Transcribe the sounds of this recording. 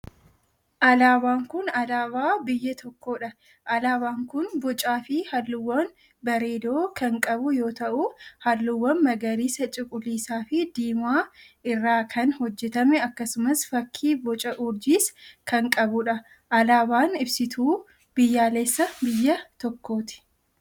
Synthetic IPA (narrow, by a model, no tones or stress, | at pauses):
ʔɐlaːbaːŋkʊnɐlaːbaːbɪjːɐt̪ʰɔkːoːᶑɐ | ʔɐlaːbaːŋkʊnbɔt͡ʃʼaːfɪhɐlːʊwːɐn | bɐɾe̞ːd̪o̞ːkɐŋkʼɐbʊjo̞ːt̪ɐʔʊhɐlːʊwːɐnmɐɡɐɾiːsɐt͡ʃʼɪkʼʊlːiːsaːfɪd̪iːmaːʔɪrːaːkʰɐnhɔd͡ʒːɛt̪ɐmɛɐkːɐsʊmɐsfɐkʰːiːbɔt͡ʃʼɐʔʊɾd͡ʒiːskɐŋkʼɐbʊᶑɐ | ʔɐlaːbaːnɪbsɪt̪ʰuː | b̥ɪjːaːleːsːɐbɪjːɐt̪ɔkːo̞ːt̪ɪ̥